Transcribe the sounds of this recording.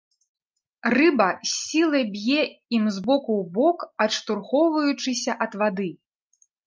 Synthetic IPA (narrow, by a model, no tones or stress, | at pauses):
rɨbɐsʲilˠɐbʲjɛimzbɔkubɔkɐtʂt̪urxɔwvɐjut͡ʂɨsʲɐʔɐd̪vad̪ɨ